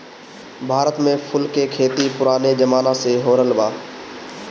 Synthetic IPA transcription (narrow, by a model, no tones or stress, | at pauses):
bʱaːɾət̪mẽpʰʊlkekʰeːt̪ipʊɾaːned͡ʒəmaːnaseɦoːɾəlbaː